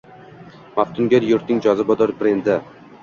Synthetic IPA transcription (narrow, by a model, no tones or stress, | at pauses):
maft̪ʰʊŋɡʲaɾjʊɾt̪nɪŋd͡ʒɒzɪbɒd̪ɒɾbɾend̪ɪ